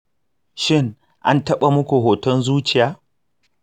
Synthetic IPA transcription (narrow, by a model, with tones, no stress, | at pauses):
ʃɪ˦ŋ | ʔa̰˦ntɐ˦ɓa˨mʊ˦kʷu˨ɦoː˨tɔ˦nzuː˦t͡ʃɪ˨jaː˦